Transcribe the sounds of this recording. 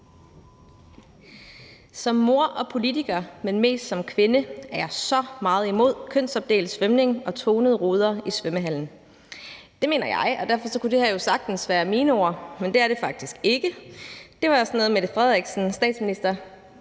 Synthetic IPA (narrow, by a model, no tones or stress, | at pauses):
sɒ̽mːo̝ɐ̰ʔɒ̽pʰo̝lit͡sʰiɡ̥ɐmenme̝̰ːsd̥sɒ̽mkʰʋe̝nəæɐjɑsɒ̽mɑ̈ːð̞̩ˠimo̝ð̞̰ˠkʰøn̰sɒ̽b̥̚d̥e̝̰ːld̩ˠsʋemne̝ŋɒ̽t͡sʰoːnəð̞̩ˠʁoːð̞ˠɐisʋøməɦæl̰n̩ | d̥e̝me̝̰ːnɐjɑ̈ɪʔɒ̽d̥æɐfɒ̽sɒ̽kud̥e̝hæɐ̰josɑ̈ɡ̥̚d̥n̩sʋæːɐmiːnəoɐmend̥e̝æɐɾ̥e̝fɑ̈ɡ̥̚d̥isɡ̥e̝ɡ̥əd̥e̝ʋɑ̈ɒsnɔð̩ˠmed̥fʁɛð̞ˠʁɛɡ̥sn̩sd̥ɛ̰ːd̥sminisd̥ɐ